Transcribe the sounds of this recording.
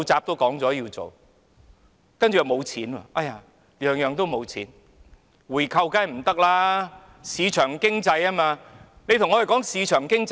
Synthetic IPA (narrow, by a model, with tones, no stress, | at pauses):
t͡saː˨p̚t̪o˥wkɔː˨˥ŋt͡sɔː˨˥jiː˧wt͡so̰˨w | kɐ˥nt͡ʃy˨ɐ˨˩mo˨˧wt͡sʰiː˨˥na̰ː˧˩ʔa˧˥jaː˧ | jœː˨ŋjœː˨ŋt̪o˥wmo˨˧wt͡sʰiː˨˥n | wuː˨˩jkʰɐ˧wkaː˥jm̩˨˩t̪ɐ˥k̚laː˥ | siː˨˧t͡ʃʰœː˨˩ŋkɪ˥ŋt͡sɐ˧jaː˥maː˧ | ne˨˧jt̪ʰʊ˨˩ŋɔː˨˧˥jkɔː˨˥ŋsiː˨˧t͡ʃʰœː˨˩ŋkɪ˥ŋt͡s